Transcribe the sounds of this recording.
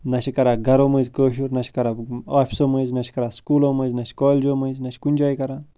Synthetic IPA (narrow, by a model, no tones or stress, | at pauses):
nɐʃikɐɾaːɡɐɾoːməzʲkəːʃ̬uɾnɐʃi̥kɐɾaaːfʰʲisoməznɐʃi̥kɐɾaːskuːloməzʲnɐʃkɔːlʲd͡ʒoːməzʲnɐʃʲkunʲd͡ʒaːjkɐɾaːn